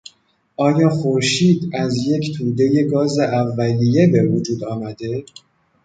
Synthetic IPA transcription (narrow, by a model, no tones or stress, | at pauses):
ʔɒːjɒːxo̞ɾʃiːd̪æzje̞cʰt̪ʰuːd̪e̞je̞ɡɒːze̞ʔævːælije̞be̞vod͡ʒuːd̪ɒːmæd̪e̞